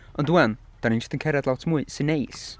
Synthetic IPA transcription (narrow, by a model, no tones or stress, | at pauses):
ənduɛn | d̥anĩnd͡ʒəstənkʰɛɾɛdlawtʰmuɨsɪnejs